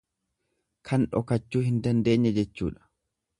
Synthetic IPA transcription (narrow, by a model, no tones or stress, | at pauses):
kʰɐnᶑɔkɐt͡ʃːuːhɪnd̪ɐnd̪eːɲːɐd͡ʒɛt͡ʃːṵːᶑɐ̥